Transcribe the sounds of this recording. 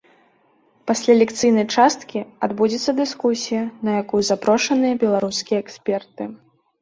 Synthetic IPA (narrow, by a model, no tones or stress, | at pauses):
pasʲlʲalʲɛkt̪sɨjnɐjt͡ʂast̪kʲiad̪bud͡zʲɛt̪sːɐd̪ɨskusʲijɐnɐjakujzapɾɔʂɐnɨjɐbʲɛlˠaɾuskʲijɛɛksʲpʲɛrt̪ɨ